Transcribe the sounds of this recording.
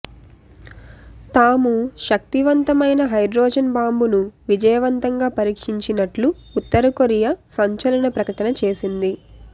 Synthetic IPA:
t̪aːmuʃɐk̚t̪iʋɐnt̪ɐmɐjnɐɦɐjɖɾɔːd͡ʒɐnbaːmbunuʋid͡ʒɐjɐʋɐnt̪ɐŋɡaːpɐɾiːkʂiɲt͡ʃinɐʈluːt̪ːɐɾɐkoɾijɐsɐɲt͡ʃɐlɐɳɐpɾɐkɐʈɐnɐt͡ʃe̞ːsind̪i

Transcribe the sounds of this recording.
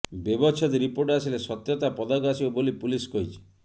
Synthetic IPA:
bebɔt͡ʃʰɔd̪iɾipoɾʈasilesɔt̪jɔt̪apɔd̪ɔɡasiobolipuliskɔɦit͡ʃʰi̥

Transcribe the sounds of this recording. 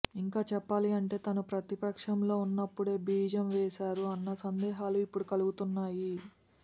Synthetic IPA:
iŋkaːt͡ʃɛpːaːliɐɳʈe̞ːt̪ɐnupɾɐt̪ipɐkʂɐmlo̞ːunːɐpːuɽe̞ːbiːd͡ʒɐmʋɛːʃaːɾuɐnːɐsɐnd̪ɛːɦaːluipːuɽukɐluɡut̪unːaːji

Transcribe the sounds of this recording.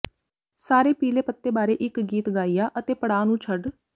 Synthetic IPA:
saːɾeːpiːleːpət̪ːeːbaːɾeːʔɪkɡiːt̪ɡaːijaːʔət̪eːpəɽaːnũːt͡ʃʰəɖ

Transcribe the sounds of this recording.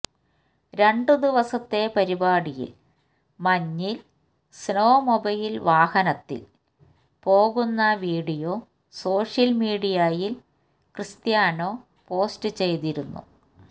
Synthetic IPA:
ɾe̞ɳɖɨd̪iʋɐsɐt̪ːe̞pɐɾibaːɽijḭl | mɐɲːil | snoːmobɐjilʋaːhɐnɐt̪ːḭl | po̞ːɣunːɐʋiːɽijo | so̞ːʂjɐlmiːɽijajil | krɨst̪jaːno̞ː | po̞ːstɨt͡ɕe̞jt̪iɾunːṵ

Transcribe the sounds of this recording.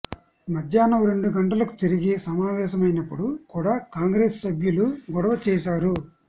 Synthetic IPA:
mɐd̪ʱjaːnɐɾeɳɖuɡɐɳʈɐlɐku̥t̪iɾiɡisɐmaːʋɛːʃɐmɐjnɐpːuɽukuːɽaːkaːŋɡɾeːssɐbʱjuluɡɔɽɐʋɐt͡ʃɛːʃaːɾu

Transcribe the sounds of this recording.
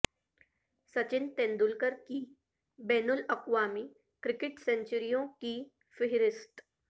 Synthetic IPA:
sɐt͡ʃɪnt̪ẽːnd̪ʊlkəɾki | bɛːnʊlɐkwaːmi | kɾɪkɪʈsɛ̃ɲt͡ʃəɾijõki | fɪɦɪɾɪst̪

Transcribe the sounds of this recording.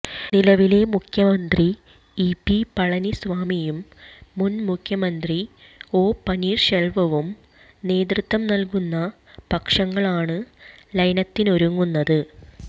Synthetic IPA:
nilɐʋile̞mukʰjɐmɐnd̪ri | ipːipɐɭɐnisʋaːmijumːunmukʰjɐmɐnd̪ri | o̞ːpɐniːrʂelʋɐʋum | ne̞ːd̪rɨt̪ːʋɐmnɐlkunːɐ | pɐkʂɐŋːɐɭaːɳɨlɐjnɐt̪ːino̞ɾuŋːunːɐðɨ

